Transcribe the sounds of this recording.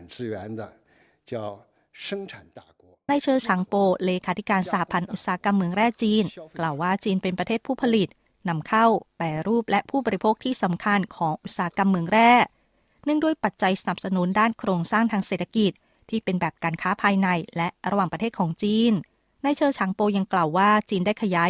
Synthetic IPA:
nt͡sɹ̩˥˩ɥɛ˧˥nd̪ə˧ | t͡ɕjɑ˥˩ʊ | ʂɤ˥ŋʈ͡ʂʰa˨˩nt̪a˥˩kwɔ˧˥na˧jt͡ɕʰɤː˧t͡ɕʰa˩˦ŋpoː˧leː˧kʰaː˧t̪ʰi˦˥kaː˧nsaː˨˦a˦pʰa˧nʔʔu˨˩t̪̚saː˩˦a˦˥ka˧mːɯ˧əŋɾɛː˥˩t͡ɕiː˧nklaː˨˩wːaː˥˩t͡ɕiː˧npe˧npɾa˧t̪ʰeː˥˩t̪̚pʰuː˥˩pʰa˧li˨˩t̪̚ | na˧mkʰa˥˩wpɛː˧ɾuː˥˩p̚lɛ˦˥ʔpʰuː˥˩bɔː˧ɾi˧˥pʰoː˥˩k̚t̪ʰiː˥˩sa˩˦mkʰa˧nkʰɔː˩˦ŋʔu˨˩saː˨˦a˦˥ka˧mːɯ˧əŋɾɛː˥˩ | nɯ˥˩ŋdu˥˩əjpa˨˩t̪̚t͡ɕa˧jsa˧na˨˩p̚sa˧nu˨˩˦ndaː˥˩nkʰɾoː˧ŋsaː˥˩ŋt̪ʰaː˧ŋse˨˩t̪ʰːa˧ki˨˩t̪̚ʰːiː˥˩pe˧nbɛː˨˩p̚kaː˧nkʰaː˦˥pʰaː˧jna˧jlɛ˦˥ʔɾa˧waː˨˩ŋpɾt̪ʰeː˥˩t̪̚kʰɔː˩˦ŋt͡ɕiː˧n | na˧jt͡ɕʰɤː˧t͡ɕʰaː˩˦ŋpoː˧ja˧ŋkla˨˩wːaː˥˩t͡ɕiː˧ndaː˥˩jkʰa˧jaː˦˥

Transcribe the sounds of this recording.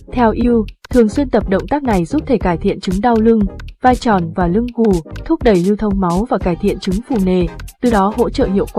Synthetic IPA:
t̪ʰɛ˧wʔi˧wt̪ʰɨ˨˩əŋswi˧ənt̪ə˨˩p̚ɗə̰˧˨wŋ͡mt̪aː˦˥k̚na˨˩jzu˦˥p̚t̪ʰe˧˩kaː˧˩jt̪ʰḭ˧˨ənt͡ɕɨ˨˦ŋɗa˧wlɨ˧ŋvaː˧jt͡ɕɔ˧˩nvaː˨˩lɨ˧ŋku˧˩t̪ʰu˦˥p̚ɗə˧˩jli˧wt̪ʰə˧wŋ͡mma˨˦wvaː˨˩kaː˧˩jt̪ʰḭ˧˨ənt͡ɕɨ˨˦ŋfu˧˩ne˨˩t̪ɨ˨˩ɗɔ˨˦ɦo̰˧˥t͡ɕə̰ː˧˨hi˧˨əwkw

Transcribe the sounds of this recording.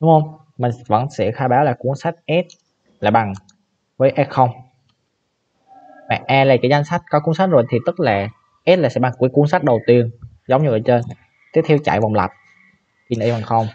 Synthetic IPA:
ɗʊ˦ŋ͡mhə˧wŋ͡m | mï˨˩ŋ̟və̰˧˥nsɛ̰˧˥xaː˧ɓaː˨˦wlaː˨˩ku˨˦ənsa˦˥jk̚ʔɛ˦˥t̚ | laː˨˩ɓa˨˩ŋ | vəː˨˦jʔɛ˦˥t̚xə˧wŋ͡m | mɛ̰ː˧˨ʔɛː˧laː˨˩kaː˨˦jza˧ŋ̟sa˦˥k̚kɔ˨˦ku˨˦ənsa˦˥zo˨˩jt̪ʰi˨˩t̪ɨ˦˥t̚laː˨˩ | ʔɛː˦˥t̚laː˨˩sɛ̰˧˥ɓa˨˩ŋkwəku˨˦ənsa˦˥k̚ɗə˨˩wt̪i˧əŋ | zə˨˦wŋ͡mɲɨ˧ʔəː˧˩t͡ɕe˧n | t̪i˦˥ət̪ʰɛ˧wt͡ɕa̰ː˧˨jva˨˩wŋ͡mla̰˨˩t̚ | ki˨˩nʔi˧va˨˩ŋxə˧wŋ͡m

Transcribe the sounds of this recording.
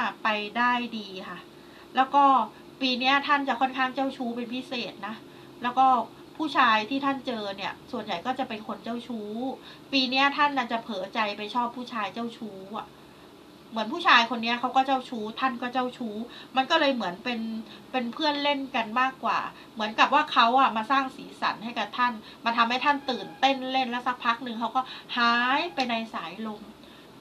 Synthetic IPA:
a˥˩pa˧jdaː˥˩jdiː˧kʰa˥˩ | lɛː˦˥wkɔː˥˩ | piː˧ni˦˥ɐt̪ʰa˥˩nt͡ɕa˨˩kʰɔ˥˩nkʰaː˥˩ŋt͡ɕa˥˩wt͡ɕʰuː˦˥pe˧npʰi˦˥seː˨˩t̪̚na˦˥ | lɛː˦˥wkɔː˥˩ | pʰuː˥˩t͡ɕʰaː˧jt̪ʰiː˥˩t̪ʰa˥˩nt͡ɕɤː˧ni˥˩ɐsu˨˩ənja˨˩jkɔː˥˩t͡ɕa˨˩pe˧nkʰo˧nt͡ɕa˥˩wt͡ɕʰuː˦˥ | piː˧ni˦˥ɐt̪ʰa˥˩nːaː˥˩t͡ɕa˨˩pʰɤː˩˦t͡ɕa˧jpa˧jt͡ɕʰɔː˥˩pʰːuː˥˩t͡ɕʰaː˧jt͡ɕa˥˩wt͡ɕʰuː˦˥a̰˨˩ | mɯ˩˦ənpʰuː˥˩aː˧jkʰo˧nːi˦˥ɐkʰa˦˥wkɔː˥˩t͡ɕa˥˩wt͡ɕʰuː˦˥t̪ʰa˥˩nkɔː˥˩t͡ɕa˥˩wt͡ɕʰuː˦˥ma˧nkɔː˥˩lɤː˧jmɯ˩˦ənpe˧npe˧npʰɯ˥˩ənle˥˩nka˧nmaː˥˩kːwa̰ː˨˩ | mɯ˩˦ənka˨˩p̚waː˥˩kʰa˦˥wʔa˨˩maː˧saː˥˩ŋsiː˩˦sa̰˩˦nha˥˩jka˨˩p̚t̪ʰa˥˩n | maː˧t̪ʰa˧mha˥˩t̪ʰa˥˩nt̪ɯː˨˩nt̪e˥˩nle˥˩nlɛ˦˥wsa˨˩k̚pʰa˦˥k̚nɯ˧ŋkʰa˦˥wkɔː˥˩haː˦˥jpa˧jna˧jsaː˩˦jlo˧m

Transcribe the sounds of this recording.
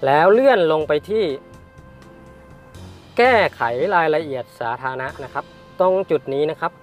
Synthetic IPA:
lɛː˦˥wlɯ˥˩ənlo˧ŋpa˧jt̪ʰiː˥˩ | kɛː˥˩kʰa˩˦jɾaː˧jla˧ʔi˨˩ət̪̚saː˩˦t̪ʰaː˧na˦˥ʔna˦˥kʰa˦˥p̚ | t̪o˧ŋt͡ɕu˨˩t̪̚niː˦˥na˦˥kʰa˦˥p̚

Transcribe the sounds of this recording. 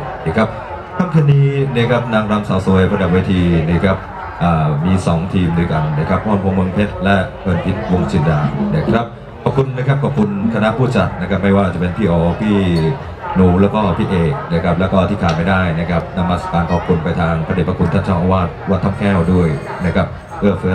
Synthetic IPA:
kʰɾa˦˥p̚ | k̪ʰa˥˩k̪ʰaː˧niː˧ni˥˩kʰa˦˥p̚naː˧ŋɾaː˧ŋsaː˨˦wsu˨˩˦əjpɾa˧da˨˩p̚weː˧t̪ʰiː˧ni˦˥˩kʰɾa˦˥p̚ | ʔaː˨˩miː˧sɔː˩˦ŋt̪ʰiː˧mdoː˧jka˧nːa˦˥˩kʰa˦˥p̚ːɔ˧npʰo˧mɯ˧ŋpʰe˦˥t̪̚lɛ˦˥pʰɤː˧npʰi˨˦˥t̪̚wo˧ŋt͡ɕʰi˨˩ndaː˧na˦˥˩kʰɾa˦˥˩p̚ | kʰa˧˩kʰu˧nːa˦˥kʰa˦˥p̚kʰɔː˨˩p̚kʰu˧nk̪ʰa˧na˦˥ʔpʰuː˥˩t͡ɕa˨˩t̪̚na˦˥kʰa˦˥p̚ma˥˩jwaː˥˩˨t͡ɕa˨˩pe˧npʰiː˥˩ʔɔː˧˩pʰiː˥˩ | nuː˩˦lɛː˦˥wkɔː˥˩pʰiː˥˩ʔeː˨˩k̚na˦˥kʰɾa˦˥p̚lɛː˦˥wkɔː˥˩t̪ʰiː˥˩kʰaː˨˧t̪ma˥˩jdaː˥˩jna˦˥kʰa˦˥p̚na˧mːaː˧sa˧˩kaː˧nʔʰɔː˧˩p̚kʰu˧npa˧jt̪ʰaː˧ŋpʰa˧deː˨˩pʰa˧kʰu˧nt̪ʰa˥˩nt͡ɕʰaː˥˩ŋʔaː˧waː˥˩t̪̚waː˥˩t̪ʰːa˥˩mkʰɛː˥˩wdu˥˩əj | na˥kʰɾa˦˥p̚ | pɯː˥˩əfɯː˦˥

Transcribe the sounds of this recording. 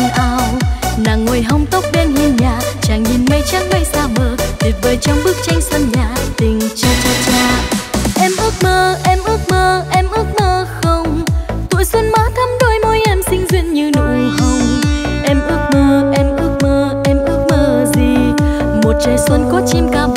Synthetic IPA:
ʔaː˧wnaː˨˩ŋːo˨˩jɦə˧wŋ͡mt̪ə˦˥wk͡p̚ɗɛ˧nhi˧nɲa̰ː˧˨t͡ɕaː˨˩ŋɲi˨˩nmə˧jt͡ɕaː˧˥ŋ̚va˧jsaː˧ɓəː˨˩k̚t̪i˨˩t̚vəː˨˦jt͡ɕɔ˧wŋ͡mɓɨ˦˥ək̚t͡ɕa˧jŋ̟swə˧nɲa̰ː˧˨t̪ï˨˩ŋ̟t͡ɕi˧t͡ɕɔ˧˩t͡ɕaː˧˩ʔɛ˧mʔɨ˦˥ək̚məː˧˩ʔɛ˧mʔɨ˦˥ək̚məː˧˩ʔɛ˧mʔɨ˦˥ək̚məː˧˩xə˧wŋ͡mt̪ṵ˧˨jswə˧nmaː˨˦t̪ʰa˨˦˥mɗo˧jmo˧jʔɛ˧msï˧ŋ̟zwḭ˧˨nɲɨ˧nṵ˧˨jhə˧wŋ͡mʔɛ˧mʔɨ˦˥ək̚məː˧ʔɛ˧mʔɨ˦˥ək̚məː˧ | ʔɛ˧mʔɨ˦˥ək̚məː˧zi˨˩ | mo˨˩t̚t͡ɕəː˨˩jswə˧nkɔ˨˦t͡ɕi˧mkaː˨˩m

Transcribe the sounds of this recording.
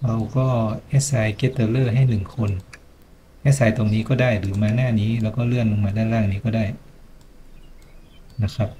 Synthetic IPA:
wa˧wkɔː˥˩ʔɛ˦˥t̪̚sa˧jke˦˥t̪ːɤː˧lɤː˥˩ɦa˥˩jnɯ˨˩ŋkʰo˧n | ʔɛ˦˥sa˧˥jt̪o˧ŋniː˦˥kɔː˥˩daː˥˩jɾɯː˩˦maː˧naː˥˩niː˦˥lɛː˦˥wkɔː˥˩lɯ˥˩ənlo˧ŋmaː˧daː˥˩nɾaː˥˩ŋniː˦˥kɔː˥˩daː˥˩j | na˦˧˥kʰɾa˦˥p̚

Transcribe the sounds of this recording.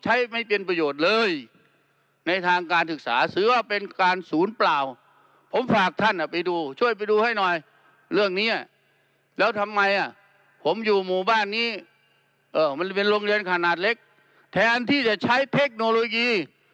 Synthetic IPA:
t͡ɕʰa˦˥jma˥˩jpe˧npɾa˧joː˨˩t̪̚lɤː˧j | na˧jt̪ʰaː˧ŋkaː˧nsɯ˨˩k̚sa̰ː˩˦sɯː˨˦waː˧˩pe˧nkaː˧nsuː˩˦nplaː˨˩w | pʰo˨˦mfaː˨˩k̚t̪ʰa˥˩nʔa˨˩pa˧jduː˧t͡ɕʰu˥˩əjp̬a˧jduː˧ha˥˩jnɔː˨˩j | ɾɯ˥˩əŋniː˦˥˩ʔa˨˩ | lɛː˦˥wt̪ʰa˧mːa˧jʔa˨˩ | pʰo˩˦mjuː˨˩muː˨˩baː˧˥˩nːiː˦˥˩ | ʔɤː˧˩ma˧npe˧nɾo˧ŋɾi˧ənkʰa˧naː˨˩t̪̚le˦˥k̚ | t̪ʰɛː˨˩ʔa˧nt̪ʰiː˥˩t͡ɕa˨˩t͡ɕʰa˦˥jt̪ʰe˦˥k̚noː˧loː˧jiː˧

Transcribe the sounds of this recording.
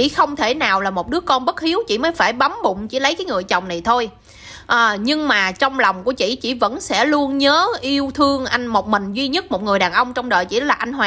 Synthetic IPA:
t͡ɕḭ˧˥xə˧wŋ͡mt̪ʰe˧˩naː˨˩wlaː˨˩mo˨˩t̚ɗɨ˨˦əkɔ˧nɓə˦˥t̚xi˨˦əwt͡ɕḭ˧˨˩məː˨˦jfaː˧˩jɓa˨˦mɓʊ̰˧˨ŋ͡mt͡ɕḭ˧˩lə˨˦jkaː˨˦jŋɨ˨˩əjt͡ɕə˨˩wŋ͡mna˨˩jt̪ʰo˧j | ʔəː˨˩ɲɨ˧ŋmaː˨˩t͡ɕɔ˧wŋ͡mlɔ˨˩wŋ͡mku˧˩ət͡ɕḭ˧˨t͡ɕḭ˧˩və̰˧˥nsɛ̰˧˥lu˧ənɲəː˨˦ʔi˧əwt̪ʰɨ˧əŋʔa˧jŋ̟mo˨˩t̚mï˨˩ŋ̟zwi˧ɲə˦˥t̚mo˨˩t̚ŋɨ˨˩əjɗaː˨˩nʔə˧wŋ͡mt͡ɕɔ˧wŋ͡mɗə̰ː˨jt͡ɕḭ˧˩˦laː˨˩ʔa˧ŋ̟ɦwaː˨

